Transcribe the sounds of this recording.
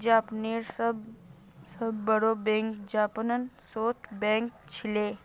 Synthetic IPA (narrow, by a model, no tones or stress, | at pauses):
d͡ʒaːpneːɾsəb | səbːəɽobɛ̃ːŋkd͡ʒaːpənənsoːʈ̪ʰbɛ̃ːŋk̚t͡ʃʰɪleː